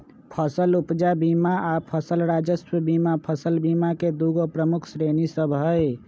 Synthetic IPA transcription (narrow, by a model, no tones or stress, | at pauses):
pʰəsəlupd͡ʒabimaapʰəsəlɾad͡ʒəsəbimapʰəsəlbimaked̪uɡopɾəmukʰsɾenisəbɦəj